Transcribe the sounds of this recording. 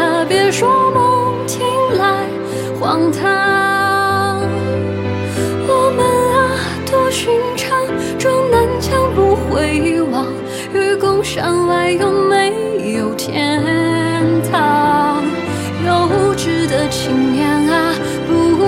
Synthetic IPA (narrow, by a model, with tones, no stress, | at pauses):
t̪ʰə˧˩pjɛ˧˥ʂwɔ˥mə˥ŋt͡ɕʰi˧˥ŋla˧˥ɪ | xwɑ˧ŋt̪ʰa˥ | wɔ˧˩mə˧na˧ | t̪o˥ɕi˧˥ŋʈ͡ʂʰɑ˥ŋ | ʈ͡ʂʊ˥ŋnə˧˥nt͡ɕjɑ˥ŋpu˧xwe˧˥ɪ˧wɑ˨˩ŋ | ɥy˥˧kʊ˥ʊʂɑ˧˩ŋwa˧˥ɪjʊ˥ŋme˧˥ɪjo˨˩ʊt̪ʰjɛ˧˥ | nt̪ʰɑ˧˩ŋ | jo˧ʊu˧ʈ͡ʂɻ̩˧˥d̪ə˧˩t͡ɕʰi˨˩ŋjɛ˧˥na˧ | pu˧˥kɔ